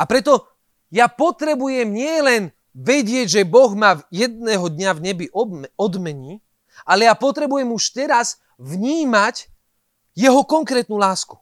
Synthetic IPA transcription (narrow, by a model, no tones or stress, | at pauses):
apɾɛt̪ɔ | japɔt̪ɾɛbujɛmɲɪɛlɛn | ʋɛɟɪɛɟʒɛbɔɣmajɛd̪̚nɛːɦɔd̪ɲavɲɛbiʔɔɔd̪mɛɲiː | ʔalɛjapɔt̪ɾɛbujɛmuʃt̪ɛɾas | ʋɲiːmac | jɛɦɔkɔŋkɾɛːt̪̚nuːlaːsku̥